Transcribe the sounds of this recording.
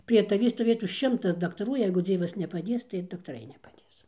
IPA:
pʲrʲiɛ tɐˈʋʲiː stoːˈʋʲeːtuː ˈʃʲɪmtɐs dɐktɐˈruː ˈjɛɪɡʊ ˈd͡zʲiɛʋɐs nʲɛpɐˈdʲeːs tɐɪ ɪr dɐktɐˈrɐɪ nʲɛpɐˈdʲeːs

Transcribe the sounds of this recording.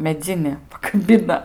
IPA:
mʲɛˈd͡zʲɪnʲɪ pɐkɐˈbʲɪnɐ

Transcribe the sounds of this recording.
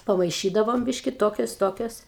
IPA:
pɐmɐɪˈʃʲiːdɐʋoːm ˈbʲɪʃʲkʲɪ ˈtoːkʲoːs ˈtoːkʲoːs

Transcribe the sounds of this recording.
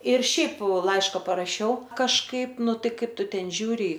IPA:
ɪr ˈʃʲɛɪp ˈlˠɐɪʃkɐ pɐrɐˈʃʲɛʊ kɐʃˈkɐɪp ˈnʊ ˈtɐɪ ˈkɐɪp ˈtʊ ˈtʲɛn ˈʒʲuːrʲɪ

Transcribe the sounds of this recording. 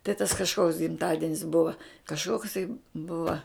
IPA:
tɐɪ tɐs kɐʃˈkoːks ɡʲɪmˈtɑːdʲɪnʲɪs ˈbʊʋɐ kɐʃˈkoːksɐɪ ˈbʊʋɐ

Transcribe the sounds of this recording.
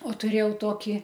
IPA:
oː tʊˈrʲeːjɛʊ ˈtoːkʲɪ

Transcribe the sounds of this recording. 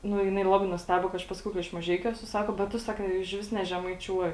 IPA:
ˈnʊ jɪˈnɐɪ ˈlˠɑːbɐɪ nʊsʲˈtʲæːboː kɐɪ ˈɐʃ ˈpɑːsɐkʲɛʊ kɐ ɪʃ mɐˈʒʲɛɪkʲʊ ˈæːsʊ ˈsɑːkoː bʲɛt ˈtʊ sɐˈkɐ ɪʃʲˈʋʲɪs nʲɛʒʲɛmɐɪˈt͡ʃʲuɔjɪ

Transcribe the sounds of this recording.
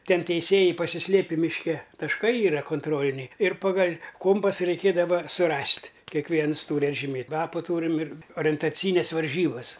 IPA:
ˈtʲɛn tʲɛɪˈsʲeːjɛɪ pɐsʲɪˈsʲlʲeːpʲɪ mʲɪʃʲˈkʲɛ tɐʃˈkɐɪ ˈiːrɐ koːnˈtroːlʲɪnʲɛɪ ɪr ˈpɑːɡɐlʲ ˈkoːmpɐsɐ rʲɛɪˈkʲeːdɐʋɐ sʊˈrɐsʲtʲ kʲɛkˈʋʲiɛns ˈtuːr ɐdʲʒʲɪˈmʲeːtʲ lˠɐpuː ˈtuːrʲɪm ɪr oːrʲɛntɐˈt͡sʲiːɪnʲɛs ʋɐrʲˈʒʲiːbɐs

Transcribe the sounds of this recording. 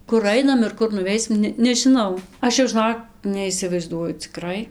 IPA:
kʊr ˈɐɪnɐm ɪr ˈkʊr nʊˈʋʲɛɪsʲɪm ˈnʲɛ nʲɛʒʲɪˈnɐʊ ˈɐʃ jɛʊ ʒɨˈnoːk nʲɛɪsʲɪʋɐɪzˈduɔjʊ t͡sʲɪˈkrɐɪ

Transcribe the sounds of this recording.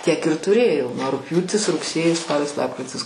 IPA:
tʲiɛk ɪr tʊˈrʲeːjɛʊ nuɔ rʊkpʲjuːtʲɪs rʊkˈsʲeːjɪs ˈspɑːlʲɪs ˈlˠɑːpkrʲɪtʲɪs

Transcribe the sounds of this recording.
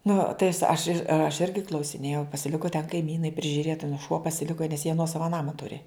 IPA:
nʊ tɐɪ ɐs ɐʃ ɪr ɐʃ ˈɪrʲɡʲɪ klˠɐʊsʲɪˈnʲeːjɛʊ pɐsʲɪˈlʲɪkʊ tʲɛn kɐɪˈmʲiːnɐɪ pʲrʲɪʒʲʊˈrʲeːt ɐˈnuː ʃuɔ pɐsʲɪˈlʲɪkoː nʲɛs jiɛ ˈnuɔsɐʋɐ ˈnɑːmɐ ˈtʊrʲɪ

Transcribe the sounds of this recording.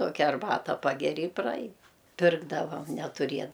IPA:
ˈtoːkʲɛ ɐrˈbɑːtɐ ˈpɑːɡʲɛrʲɪ ɪ prɐˈɐɪn ˈpʲɪrɡdɐʋɐm nʲɛtʊˈrʲiɛ

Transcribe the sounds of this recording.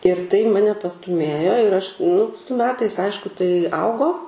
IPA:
ɪr tɐɪ ˈmɑːnʲɛ pɐstʊˈmʲeːjoː ɪr ɐʃ nʊ sʊ mʲɛtɐɪs ˈɐɪʃkʊ tɐɪ ˈɐʊɡoː

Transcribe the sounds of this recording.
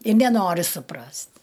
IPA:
ɪ nʲɛˈnoːrʲɪ sʊˈprɐsʲtʲ

